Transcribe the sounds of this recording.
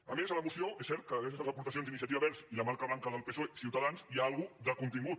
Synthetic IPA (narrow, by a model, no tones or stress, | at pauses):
əmezələmusioʔesɛɾt̪̚kəðəɾɛezəzəpuɾt̪əsionzd̪inis̬iət̪iβaβɛɾziləmaɾkəβlaŋkəðəlˠpesoesiuwt̪əðanziaalˠɣuðəkunt̪iŋɡut̪